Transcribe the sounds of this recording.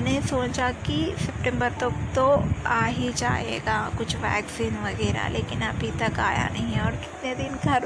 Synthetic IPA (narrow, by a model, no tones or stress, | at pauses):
nesoːt͡ʃakisɛp̚ʈɛ̃mbəɾt̪ɐkt̪oaːɦid͡ʒa̰ːɦḛːɡakʊt͡ʃʰʋɛ̰ːksɪnʋɐɡɛːɾa̰leːkɪnɐbʱit̪ɐkaːja̰nɐɦĩɔːɾkɪ̥t̪ned̪ɪnɡʱɐɾ